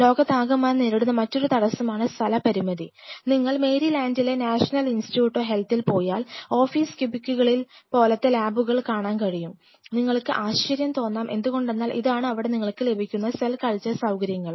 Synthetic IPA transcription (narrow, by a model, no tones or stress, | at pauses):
lo̞ːɡɐt̪aːɡɐmːaːjneɾiɽunːɐmɐtːo̞ɾut̪ɐɽɐsːumaːɳɨst̪ʰɐlɐpɐɾimɐðiniŋːɐɭme̞ːɾilaːndile̞naːʂɐnɐlinstjuːʈːo̞ːɦe̞lt̪ːilpo̞ːjaːlo̞ːfiːskubikʲːuɣɐɭilpo̞ːlɐt̪ːelaːbuɣɐɭkaːɳaːnkɐɻijum | niŋːɐɭkɨʔaːɕɐɾjɐmt̪o̞ːnːaːmʔe̞̰nd̪uɣo̞ɳɖe̞nːaːlʔḭðaːɳɨɐʋiɽe̞niŋːɐɭkɨle̞bʱikʲːunːɐselkɐɭt͡ɕːɐsɐwkɐɾjɐŋːɐɭ